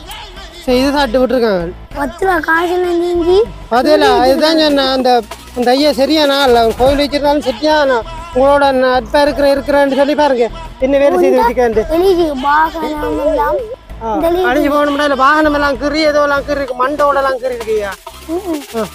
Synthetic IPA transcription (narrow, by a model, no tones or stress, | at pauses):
sɐɪðɯtãːʈːɯʋɪʈːɯɾɯkːãːŋɡɐɭ | mɐt̪ːɯlaːkaːsɐnɐniːɲd͡ʒi | ɐðɐlːɐɪðɐt̪ãːd͡ʒɛnːaɐnd̪ɐ | ɐnd̪ɐɐjːasɐɾɪjaːnaːɪlːʋɐɾɯkoːjɪlʋt͡ʃːɪɾɯnaːlɯ̃msɐɾːɪjãːnãː | ʊŋɡɐɭoːɽɐnɐʈpːaːɪɾɯkːɯɾɐ̃ɪɾɯkːɯɾɐ̃nɖɯsɔlːipaːɾɯŋɡɐ | ɛnːɐʋeːlɐs̬ɛjðɯʋɪsɪkːɐeɳɖɯɛlɪd͡ʒɯbaːsɐnamɐa | aːɐɐɽɐɲd͡ʒipoːʋɐɳɯmɐnːaːɪlːɐbaːɣɐnɐmɛlːãːkɪɾiɛðɐʋɐlːãːkɪɾɪɾɯkːɯmɐɳɖɐoːɽɐlãːkɪɾɪjɾɯkːɐjaː | aː